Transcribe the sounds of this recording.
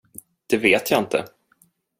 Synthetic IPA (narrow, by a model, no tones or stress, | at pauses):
d̪̥ɛveːt̪jaɪnt̪ʰə̰